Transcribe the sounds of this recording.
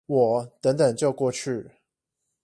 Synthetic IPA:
wɔ˨˩˦t̪ə˧˦ŋt̪ə˨˩ŋt͡ɕjo˥˧ʊkwɔ˥˧t͡ɕʰy˥˩

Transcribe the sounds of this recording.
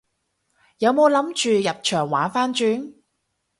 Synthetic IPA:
jɐ˨˧wmo˨˧wlɐ˨˥mt͡ʃyː˨jɐ˨p̚t͡ʃʰœː˨˩ŋwaː˨˥nfaː˥nt͡ʃyː˨˥n

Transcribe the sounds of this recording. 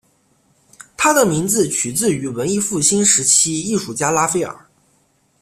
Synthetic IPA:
t̪ʰa˥d̪ə˨mi˧˥ŋd͡zɹ̩˧t͡ɕʰy˨˩t͡sɹ̩˥˩y˧˥wə˧˥ni˥˧fu˥˩ɕi˥nʂɻ̩˧˥t͡ɕʰi˥i˥˩ʂu˨˩t͡ɕja˥la˥fe˥ɪə̰˞˨˩˦

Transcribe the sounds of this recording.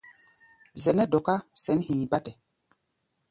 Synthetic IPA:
zɛ˨nɛ˦do˨ka˦sɛ˨˦nhi˨ba˦tɛ˨

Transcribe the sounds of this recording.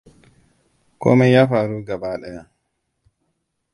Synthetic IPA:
kɔ̰˦mɛ˦ja˦fa˨ɾu˦ɡa˨baː˦ɗɛ˨ja˨

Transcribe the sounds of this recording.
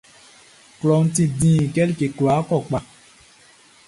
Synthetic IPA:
klɔ˨ŋ̩˦tĩ˦˨dĩ˦˨kɛ˦li˦ke˨kla˨˦kɔ˦˨k͡pa˨

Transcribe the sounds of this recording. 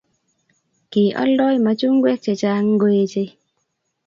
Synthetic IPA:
ki˨ʔɔ̰˦lɔ˦jma˦t͡ʃu˦ŋɡwɛ˦k̚t͡ʃe˨t͡ʃa˦ŋɡo˦e˦t͡ʃe˦

